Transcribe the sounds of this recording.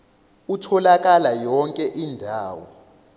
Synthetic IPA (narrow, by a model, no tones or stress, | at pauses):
utʰɔlak̬ʼalajɔŋkʼɛʔindʱaːwɔ